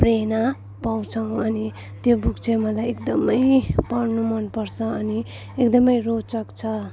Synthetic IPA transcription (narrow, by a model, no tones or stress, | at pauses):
prena | paw̃t͡sʰʌw̃ʌni | t̪jobukt͡sʰemʌlajekd̪ʌmʌjpʌrnumʌnpʌrt͡sʰʌʌni | ekd̪ʌmʌjrot͡sʌkt͡sʰʌ